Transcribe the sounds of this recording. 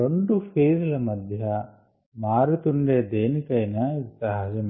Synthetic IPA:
oɳɖupʰeːɾɐlɐmɐd̪ʱjɐ | maːɾut̪uɳɖeːd̪eːnikɐjnɐit̪ɐɦad͡ʒɐm

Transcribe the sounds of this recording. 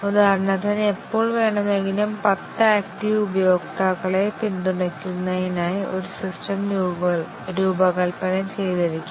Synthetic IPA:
ud̪aːrnːɐt̪ɐnepːo̞ːɭʋe̞ːɳɐmeŋɡilɐmpɐt̪ːɐaːkʈiʋubɐjo̞ːɡt̪aɣɐɭet̪ind̪uɳɐkʲːunːɐjinaːjiʔo̞ɾusisʈɐmɾuːbɐɭ | ɾuːbɐkɐlpɐlɐmt͡ɕe̞jt̪ɐɾikʲːu

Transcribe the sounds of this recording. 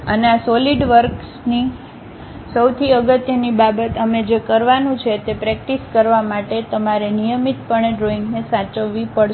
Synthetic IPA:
ə̰neasɔliɖʋəɾksni | səwt̪ʰiəɡət̪jənibabət̪əmed͡ʒekəɾʋanũt͡ʃʰet̪epɾɛk̚ʈiskəɾʋamaʈet̪əmaɾenijəmit̪pəɳeɖɾoiŋɡnesat͡ʃəʋʋːipəɽ

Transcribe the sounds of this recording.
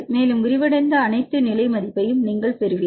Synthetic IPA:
meːlɯmʊɾɪʋɪɽɐɪnd̪ɐːnɐɪt̪ːɯnɪlɐɪmɐðɪpːɐjɯmniːŋɡɐɭpɛɾɯʋɪ

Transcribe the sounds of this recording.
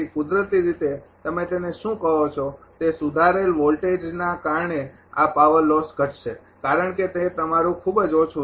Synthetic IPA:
ikʊd̪ɾət̪iɾit̪et̪əmet̪eneʃũkəɦot͡ʃʰok̪esud̪ʱaɾelʋɔlʈed͡ʒnakaɾɳe | a̰paʋəɾlːɔsɡʱəʈʃe | kaɾəɳket̪et̪əmaɾũkʰubd͡ʒot͡ʃʰu

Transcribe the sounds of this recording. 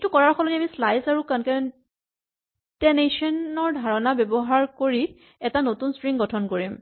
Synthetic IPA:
tukɔɹaɹkʰɔlɔniamislajsaɹukankɛ | tɛnesɔnɔɹdʱaɹɔnabɛbɔɦaɹkoɹi | ɛtanotunspɹiŋɡɔtʰɔnkoɹim

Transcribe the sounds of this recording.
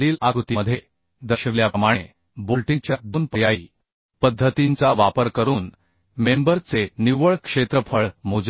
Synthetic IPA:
iːlaɡut̪iməd̪ʱje | d̪əɕeʋljaəmaɽ̃e | bolʈit͡ɕjabuːnpəjaiː | pəd̪ʱːət̪int͡saʋapəɾkəɾuːn | membəɾt͡seniʋəɭkʂet̪ɾəpʰəɭmod͡z

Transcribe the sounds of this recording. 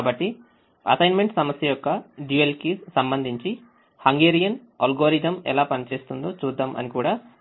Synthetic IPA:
bɐʈːi | ɐ̰sɐjnme̞ɳʈsɐmɐsjɐjɔkːɐɖuelkisɐmbɐnd̪ʱiɲt͡ʃi | hɐŋɡeːɾijɐn | ɐ̰lɡoːɾid̪ɐmɛ̰laːpɐnit͡ʃe̞ːst̪und̪oːt͡ʃuːd̪ːaːmɐ̰nikuːɽaː

